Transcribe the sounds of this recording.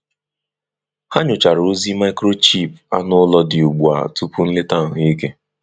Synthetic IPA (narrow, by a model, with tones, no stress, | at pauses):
ha˦ɲʊ˨t͡ʃa˨ɾo˦zi˦ma˦ɪ˦kɾo˦t͡ʃi˦˨pa˦nʊ˦lɔ˦dɪ˨u˨ɡ͡bu˨a̰˨tu˦pʊ˦n̩˦lɪ˦ta˦˨ɦi˦i˦ke˦